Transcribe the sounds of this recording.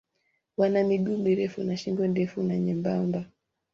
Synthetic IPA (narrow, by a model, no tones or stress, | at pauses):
wanamiɡumiɾɛfunaʃimɡwɛndɛfunaɲɛmbamba